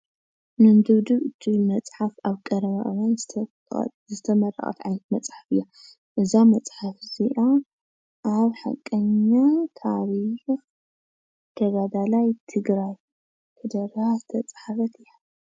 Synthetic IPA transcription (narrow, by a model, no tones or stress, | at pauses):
mɨnd̪ɨβd̪ɨβɨt̪ʰːijmɐt͡sʼħafaβkʼɐɾɐβa̰ʔwanzt̪ʰ | zɨt̪ʰɐmɐɾɐ̰χʼɐ̰t̪ʕajnɐt̪̚mɐt͡sʼħafɨjːa | ʔɨzamɐt͡sʼħafziʔo | ʔaβħa̰kʼːɐɲːat̪ʰaɾix | t̪ʰɐɡad̪alajt̪ʰɨɡɾaj | k̪ʰɨd̪ɐɾazt̪ʰɐt͡sʼħafɐt̪ʰɨja